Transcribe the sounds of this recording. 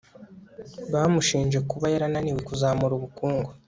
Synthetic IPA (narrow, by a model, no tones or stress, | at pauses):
βaːmuʃiːnd͡ʒe̞kuβajeɾananiwekuzaːmuɾuβukuːŋɡo